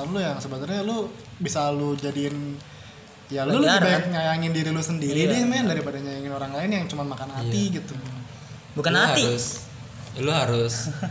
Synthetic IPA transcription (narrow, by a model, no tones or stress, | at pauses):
anlʊjaŋsəbənarɲalʊ | bisalud͡ʒadiɪn | jalulbajk̚ɲajaŋɪndiɾilʊsəndiɾidɪhmandaɾipadaɲajaŋɪnoɾaŋlaɪnjaŋt͡ʃumanmakanat̪iɡit̪u | bukanaiʊs | luɦaɾʊs